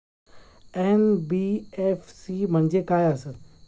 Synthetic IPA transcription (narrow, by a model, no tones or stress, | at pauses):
ɛːnbiefsimə̃ɲd͡ʑekaːjasəd̪